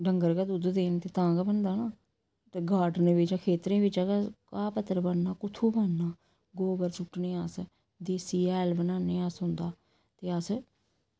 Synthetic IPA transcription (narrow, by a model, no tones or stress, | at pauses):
ɖəŋɡəɾkaːd̪ud̪d̪eːnt̪eːt̪ãːɡaːbənd̪aːnaː | ɡaːɖneːbɪt͡ʃãːkʰeːt̪ɾẽːbɪt͡ʃaɡakaːpət̪ːəɾbənnaːkʊt̪ʰuːbaːnnaː | ɡoːɡəɾt͡ʃʰʊʈneːas | d̪eːsiːɛːlbənaːneːəsɦʊnd̪aː | t̪eːəs